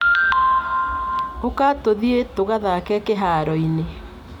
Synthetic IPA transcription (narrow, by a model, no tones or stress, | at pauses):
okatoðietoɣaðakɛkeɦaːɾɔine